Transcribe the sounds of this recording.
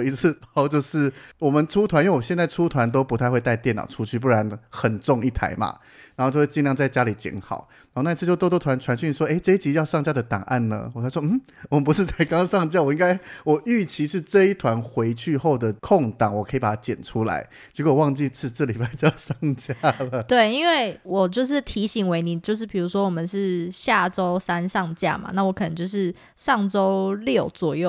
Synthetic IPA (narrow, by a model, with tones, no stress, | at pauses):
i˧˥t͡s̩ʰ˥˧t̪ɑ˥˩ʊt͡ɕjo˥˧ʊʂɻ̩˥˩wɔ˨˩mə˨˦nʈ͡ʂʰu˥t̪ʰwa˧˦ni˥we˥˩ɔ˨˩ɕɛ˥˧nt͡sa˥˩ɪʈ͡ʂʰu˥t̪ʰwa˧˦nt̪̬o˥ʊpu˧˥t̪ʰa˥˧ɪxwe˧t̪a˥˧ɪt̪jnɑ̰˨˩ʊʈ͡ʂʰu˦˥t͡ɕʰy˥˩p̬u˥˩ɻa˧˦nxə˨˩nʈ͡ʂʊ˥˧ŋi˥˩t̪ʰa̰˧˥ɪma̰˧˦ | na˨˧˦xt͡ɕo˥˧we˥˧t͡ɕi˥˧ljŋt͡sa˥˩ɪt͡ɕja˥li˨˩t͡ɕḭ˧˥nxɑ̰˨˩˦ʊna˧˥˧na˥˧˥t͡s̩ʰ˥˧jo˥˧˩t̪ɔ˥t̪wɔ˥t̪ʰwa˧˦nʈ͡ʂʰwa˧˥nɕy˥˧˥ʂwɔ˥˧e˥˩ɪʈ͡ʂə˥i˥t͡ɕi˧˥jɑ˥˧ʊʂɑ˥˩ŋt͡ɕja˥d̪ə˨˩t̪ɑ̰˨˩ŋʔa̰˥˩nnə̰˩wɔ˨˩a˧˥swɔ˥m̩˥˩ | wɔ˨˩mə˧˦pu˧˦ʂɻ̩˥˧t͡sa˥˩ɪkɑ˥ŋʂɑ˥˧ŋt͡ɕja˥˩wɔ˨˩i˥ŋɡa˥ɪwɔ˨˩y˥˩t͡ɕʰi˧˥ʂɻ̩˥˧ʈ͡ʂɤ˥˧i˥˩t̪ʰwa˧˥nxwe˧˥ɪt͡ɕʰy˥˧xo˥˩ʊd̪ə˩kʰo˥˨˩ŋt̪ɑ˨˩˦ŋwɔ˨˩kʰə˧˥i˨˩pa˨˩t̪ʰa˥t͡ɕjɛ̰˨˩nʈ͡ʂʰu˥la̰˧˦ɪ | i˧˥ko˥˩wɔ˨˩wɑ˥˧ŋt͡ɕi˥˧t͡sʰɹ̩˥˩ʈ͡ʂɤ˥˩li˨˩pa˥˩ɪt͡ɕjɑ˥˧ʊʂɑ˥˩ŋt͡ɕja˥lə˨t̪we˥˩ɪi˥nwe˥˩ɪwɔ˨˩t͡ɕjo˥˧ʊʂ̬ɻ̩˥˩t̪ʰi˧˥ɕi˨˩ŋwe˧˥ɪni˨˩t͡ɕjo˥˧ʊʂɻ̩˥˩pʰi˨˩ɻu˧˥ʂwɔ˥wɔ˨˩mə˨˦nʂɻ̩˥˩ɕja˥˩ʈ͡ʂo˦ʊsa˦nʂɑ˥˨ŋt͡ɕja̰˥˩ma̰˨˦na˥˩wɔ˧˥kʰə˨n˧˦t͡ɕjʊʂ̬ɻ̩˥˧ | ʂɑ˥˩ŋʈ͡ʂo˥ʊljo˥˩ʊt͡swɔ˨˩jo˥˩